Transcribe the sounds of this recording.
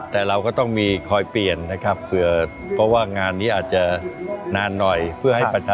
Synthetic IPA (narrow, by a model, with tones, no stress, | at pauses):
t̪ɛː˨˩ɾa˧wkɔː˥˩t̪ɔ˥˩ŋmiː˧kʰɔː˧jpli˨˩ənːa˦˥kʰɾa˦˥pːɯ˨˩ə | pʰɾɔ˦˥waː˥˩ŋaː˧nːiː˦˥ʔaː˨˩t̪̚t͡ɕa˨˩naː˧nːɔ˨˩jpʰɯ˥˩ɦa˥˩jpa˧t͡ɕʰaː˧